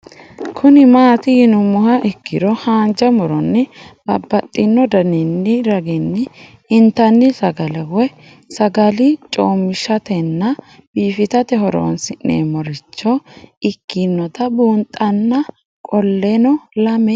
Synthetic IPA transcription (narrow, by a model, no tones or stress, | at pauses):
kʰʊnɪmaːt̪ɪɪnʊmʊhɐʔɪkːɪd̪ɔhaːnd͡ʒɐmʊɾɔnːɪb̥ɐbːɐt̪ʼːɪnːɔd̪ɐnɪnːɪɾɐɡɪnːɪ | ɪnt̪ɐnːɪsɐɡɐlɛwɔj | sɐɡɐlɪt͡ʃʼoːmːɪʃɐt̪ɛnːɐ | b̥iːfɪt̪ɐt̪ɛɦɔɾo̰ːnsɪnːḛːmɔɾɪt͡ʃːɔɪkːɪnːɔt̪ɐbuːnt̪ʼɐnːɐ | kʼɔlːɛnɔlɐmɛ